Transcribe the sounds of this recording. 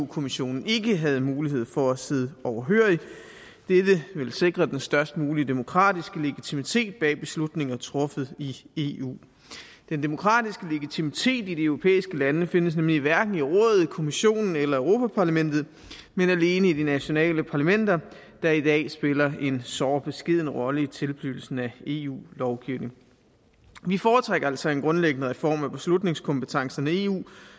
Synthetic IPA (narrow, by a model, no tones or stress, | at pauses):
ukʰo̝miɕo̝̰ːnn̩e̝ɡ̥əɦæð̞̩ˠmuːliɦe̝ð̰ˠfɒ̽æse̝ðˠəɒʊɐɦøɐ̰i | d̥ed̥əʋe̝lse̝ɡ̥ʁɐd̥ensd̥ɶɐsd̥muːliəd̥e̝mo̝kʰʁɑ̰̈ːd̥isɡ̥əle̝ɡ̥it͡sʰimit͡sʰe̝̰ːd̥̚b̥ɛ̰ːb̥e̝slud̥ne̝ŋɐt͡sʰʁɔ̽fð̩ˠie̝ṵː | d̥end̥e̝mo̝kʰʁɑ̈ːd̥isɡ̥əle̝ɡ̥it͡sʰimit͡sʰe̝̰ːdid̥iøʊʁo̝pʰḛːisɡ̥əlænəfe̝nəs̬nemliʋæɐɡ̥n̩iʁɔ̰̽ːðˠð̩ˠkʰo̝miɕo̝̰ːnn̩elɐœʊʁo̝ːpʰæpʰɑ̈læmen̰d̥ð̩ˠ | menæle̝ːnəid̥inæɕo̝nɛ̰ːləpʰɑ̈ːlæmen̰d̥ɐ | d̥ɑ̈id̥ɛ̰ːsb̥e̝lɐʔe̝nsɒːb̥e̝sɡ̥e̝ð̞̰ˠnəʁɒ̽ləit͡sʰe̝lb̥lyːl̩sn̩æe̝̰ṵːlɒʊɡ̥iʊne̝ŋ | ʋifɒːt͡sʰʁeɡ̥ɐæl̰sɒ̽e̝nɡ̥ʁɔ̽nleɡ̥ənəʁɛfɒ̰ːmæb̥e̝slud̥ne̝ŋskʰɒ̽mpət͡sʰɑ̈ŋsɐnæe̝ːṵː